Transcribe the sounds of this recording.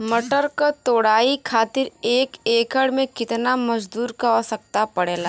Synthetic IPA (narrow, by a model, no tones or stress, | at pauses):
mɐʈəɾkat̪oːɽaːikʰaːt̪ɪɾeːkeːkəɽmẽkɪt̪namɐd͡ʒd̪uːɾkaɔsək̚t̪apɐɽeːlaː